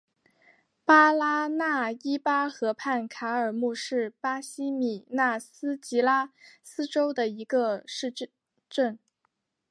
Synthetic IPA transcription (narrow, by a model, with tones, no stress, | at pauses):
pa˥la˥na˥˩i˥pa˥xɤ˧˥pʰa˥˩nkʰa˧˥ə˞˨˩mu˥˧ʂɻ̩˥˩pa˥ɕi˥mi˨˩na˥˩sɹ̩˥t͡ɕi˧˥la˥sɹ̩˥ʈ͡ʂo˥ʊd̪ə˨˩i˧˥ɡə˧ʂɻ̩˥˧ | ʈ͡ʂə˥˩n